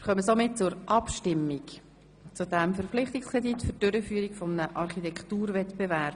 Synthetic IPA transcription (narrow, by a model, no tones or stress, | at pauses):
ɪχœməsomɪt̚t͡sʊɾʔɑpʃtɪmːik | t͡sudæmfəɾflɪχt̪ikskʰʁɛditfʏd̥øɾəfyəɾikfɔmənəʔɑɾχitɛkχtuːɾvɛt̪bɛvæɾb̥